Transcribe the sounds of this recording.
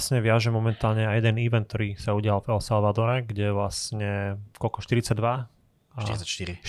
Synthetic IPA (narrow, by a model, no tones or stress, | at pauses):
sɲɛʋɪaʒɛmɔmɛnt̪aːlɲɛajɛd̪ɛniʋɛnt̪̚t̪ɔɾiːsauɟɪalvɛlsalʋad̪ɔɾɛɡɟɛʋlasɲɛkɔlkɔʃt̪iɾit͡saɟ̚d̪ʋa̰ | aʃt̪iɾi